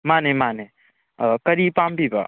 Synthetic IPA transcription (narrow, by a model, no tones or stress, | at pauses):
manemane | kəɾipambiba̰